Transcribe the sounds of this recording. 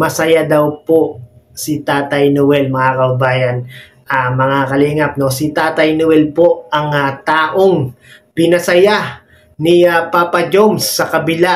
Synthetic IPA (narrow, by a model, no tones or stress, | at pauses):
mɐsɐjad̪ɐwpo̞sɪt̪aːt̪ɐjnʊwɛlmɐŋakɐʊbaːjɐn | ʔɐmɐŋakɐliŋap̚no̞sit̪aːt̪ɐjnʊwɛlpo̞ʔɐŋɐt̪aːʔo̞ŋ | pɪnɐsɐja | niɐpaːpɐd͡ʒomsːɐkɐbɪla